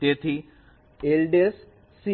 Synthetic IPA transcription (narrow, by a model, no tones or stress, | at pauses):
t̪et̪ʰi | elɖesː | i